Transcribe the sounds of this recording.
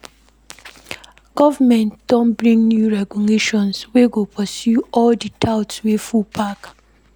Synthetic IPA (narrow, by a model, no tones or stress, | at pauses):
ɡ̥ɔvamɛ̃ntd̥ɔ̃nbɹĩŋnjuɹɛɡɔleʃɔ̃nsweɡopʰɔsjuɔlditʰaʊtswefupʰak